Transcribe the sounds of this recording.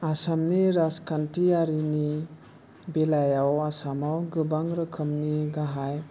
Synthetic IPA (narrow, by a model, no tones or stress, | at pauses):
asamniɾaskantiaɾini | belajawasamawɡɯbaŋɾɯkʰəmniɡaɦaj